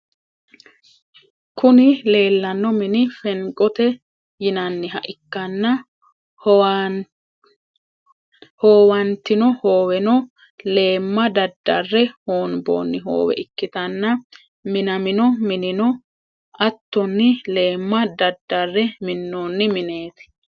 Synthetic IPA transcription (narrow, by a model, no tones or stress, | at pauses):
kʰʊnɪle̞ːlːɐnːɔmɪnɪfɛŋkʼɔt̪ɛ | jɪnɐnːɪɦɐʔɪkːɐnːɐ | hoːwɐnt̪ːɪnɔho̞ːwɛnɔ | le̞ːmːɐd̪ɐd̪ːɐrːɛhoːnbo̰ːnːɪɦo̰ːwɛ̰ʔɪkːɪt̪ɐnːɐ | mɪnɐmɪnɔmɪnɪnɔ | ɐt̪ːɔnːɪle̞ːmːɐd̪ɐd̪ːɐrːɛmɪnːoːnːɪmɪne̞ːt̪ɪ̥